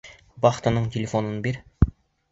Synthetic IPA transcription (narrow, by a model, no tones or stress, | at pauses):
bɑχt̪ɤ̆nɤɴtʲelʲefonɤnbeɾ